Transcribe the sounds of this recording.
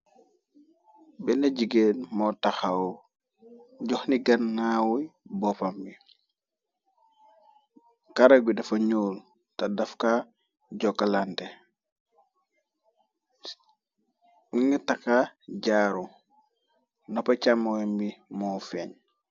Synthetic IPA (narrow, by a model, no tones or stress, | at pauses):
bɛnɐɟiɡenmɔtaxao | ɟɔxniɡɐnːawibɔpambi | kaɾaɡwidɐfɐɲoːl | tadafka | ɟɔkːalante | wuɲitakaɟaːɾu | nɔpacamowɛmbimɔfeːɲ